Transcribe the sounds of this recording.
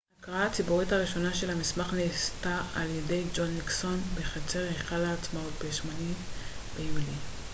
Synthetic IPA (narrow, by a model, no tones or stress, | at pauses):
akʁaat͡sibuʁithaʁiʃo̞naʃe̞lhamismaχnestaaljede̞jd͡ʒo̞nːikso̞nbeχat͡se̞ʁheχalaːt͡smaut̪̚beʃmanitbeimli